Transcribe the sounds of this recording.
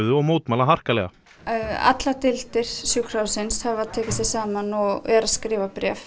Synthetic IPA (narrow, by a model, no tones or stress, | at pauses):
ðʏɔɣmoːwt̪maːlaɦar̥kalɛ̰ɣa̰ | a̰t̪lat̪ɪl̥t̪ɪɾ̥sjuxkɾ̥awsɪnshavaðt̪ʰɛːcɪsθɪsaːmanɔɣɛɾaðskɾɪːvapɾɛ̰ːf